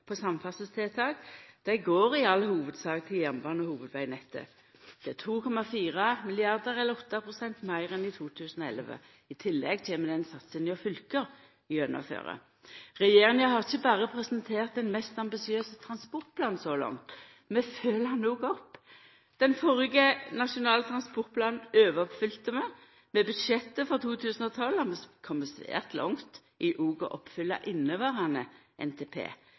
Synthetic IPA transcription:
pʰɔsɑmfɑsəst̪ʰeːt̪ʰɑːɡd̪̥æɪɡoːʁɪɑlːhuːʋəd̪sɑːɡt̪ʰɪljæʁnbɑːnɔhuːʋəd̪ʋæɪnɛt̪ʰːə̰ | d̪̥ɛæt̪ʰuːkʰɔmɑfiːʁɑmɪlɪɑʁd̪əʁɛləɔt̪ːɑpʰʁʊsɛnt̪mæɪʁɛnɪt̪ʰuːt̪ʰʉːsənɔɛ̰lʋə̰ | ɪt̪ʰɪlːɛ̰ɡt̪ʰeːməd̪ɛnsɑt̪sənjɔfʏlkəʁ | ɪœnːə̰fø̰ːʁə̰ | ʁɛjeːʁɪŋɑhɑʁɪçːəbɑːʁəpʰʁɛsənt̪ʰeːʁt̪ɛnmɛst̪ɑmbɪsɪøːsət̪ʰʁɑnspɔʁt̪̚pʰlɑːnsɔlɑ̰ŋt̪ | mɛføːlɑnːoːɡɔpː | d̪̥ɛnfɔʁɡənɑʂʊnɑːlət̪ʰʁɑnspɔʁt̪̚pʰlɑːnn̩øːʋəɔpfʏlt̪əmɛ | mɛbʉd̪ʃɛt̪ːəfɔʁt̪ʰuːt̪ʰʉːsnɔːt̪ʰɑlhɑʁmɛskʰɔmːəsʋḛːʁt̪lʔɔ̰ŋt̪ | ʔɪʔuːɡʊ̰ʔɔpːfʏlːɑ̰ʔɪnːəʋɑːʁɑnə | ʔɛ̰nt̪ʰeːpʰḛː

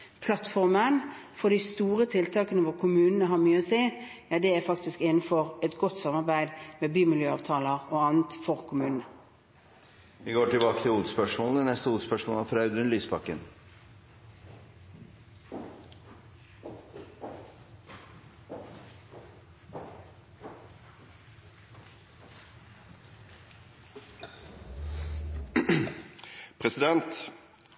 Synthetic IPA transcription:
pʰlɑt̪fɔʁmənfɔd̪ɪst̪uːʁət̪ʰɪlt̪ʰɑːkənəʋɔʁkʰʊmʉːnənəɦɑɾmyːəoːseː | jɑd̪ɛæfɑkt̪ɪskɪnn̩fɔʁɛt̪ɡɔt̪ːsɑmɑʁbæɪd̪mɛbyːmɪljøːɑːʋt̪ʰɑːləʁoːɑnnt̪fɔʁkʰʊmʉːnənə | ʋɪɡoːʈɪlbɑːkət̪ʰɪluːd̪spœʂmoːləənɛst̪əuːspœʂmoːlɑfɾɑʉd̪ʉnlyːsbɑkːə̰n | pʰʁɛsɪd̪ɛnt̪

